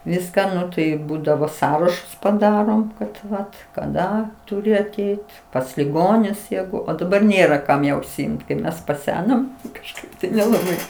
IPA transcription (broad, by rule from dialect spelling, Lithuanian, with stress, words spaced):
ˈʋʲɪskɑː ˈnʊ tɐɪ ˈbuːdɐʋoː ˈsɑːrɐʃʊs pɐˈdɑːroːm kɐt ˈʋɐt kɐˈdɐ tʊˈrʲɪ ɐˈtʲɛɪt pɐs lʲɪˈɡoːnʲʊs ˈjæːɡʊ oː dɐˈbɐr ˈnʲeːrɐ ˈkɐm jɛʊ ʊʃʲsʲɪˈɪmt kɐɪ ˈmʲɛs pɐˈsʲæːnoːm kɐʃˈkɐɪp tɐɪ nʲɛlˠɐˈbɐɪ